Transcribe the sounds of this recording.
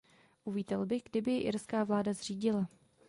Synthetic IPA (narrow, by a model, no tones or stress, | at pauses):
ʔuviːt̪ɛlbɪɣɡdɪbɪʔɪɾskaːvlaːdazr̝iːɟɪla